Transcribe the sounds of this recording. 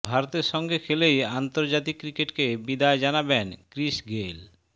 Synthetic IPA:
bʱaɾot̪eɾʃɔŋɡekʰelejant̪oɾd͡ʑat̪ikːɾikeʈkebid̪aed͡ʑanabenkɾiʃɡel

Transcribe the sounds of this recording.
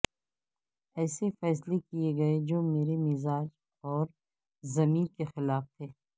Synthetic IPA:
ɛːsefɛːslekieɡɐed͡ʒoːmeːɾemɪzaːd͡ʒ | ɔːɾ | zɐmiːnkexɪlaːft̪ʰeː

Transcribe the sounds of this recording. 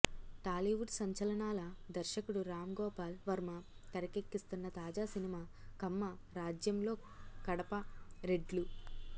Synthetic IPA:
ʈaːliʋuʈsɐɲt͡ʃɐlɐɳaːlɐd̪ɐɾʃɐkuɽuɾaːmɡɔːpaːlʋɐɾmɐt̪ɐɾɐkekːist̪unːɐt̪aːd͡ʒaːsinimaːkɐmːɐɾaːd͡ʒjɐmlo̞ː | kɐɽɐpɐɾeɖlu

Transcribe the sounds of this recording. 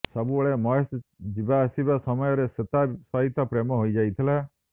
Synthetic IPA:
sɔbuɔɭemɔsd͡ʒibaːsibasɔmɔjɔɾeset̪asaɦit̪apɾemɔɦoid͡ʒait̪ʰilɛ

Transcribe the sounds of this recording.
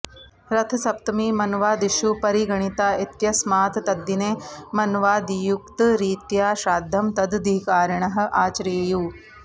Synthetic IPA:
ɾɐt̪ʰɐsɐp̚t̪ɐmiːmɐnʋaːd̪iʃupɐɾiɡɐɳ̃it̪aːit̪jɐsmaːt̪t̪ɐd̪ineːmɐnʋaːd̪jukt̪ɾiːt̪jaːʃaːd̪ʱːɐmt̪ɐd̪d̪ikaːɾɐɳɐɦɐ̆ʔaːt͡ʃɾeːjuː

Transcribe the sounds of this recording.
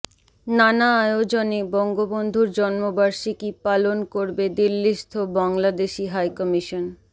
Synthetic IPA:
nanaajod͡ʑonebɔŋɡobond̪ʱuɾd͡ʑɔnmobaɾʃikipalonkoɾbed̪ilːiʃt̪ʰobaŋlad̪eʃiɦajkɔmiʃon

